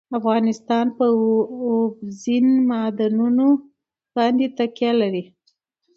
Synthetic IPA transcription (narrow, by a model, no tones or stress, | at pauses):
afɣɑnɪst̪ɑnpəobzinmɑd̪anuno | xɑnd̪et̪akjalaɾi